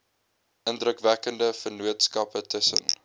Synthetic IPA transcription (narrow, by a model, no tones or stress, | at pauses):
ʔəndrəkvækəndəfərnuətskɐpətəsə̰n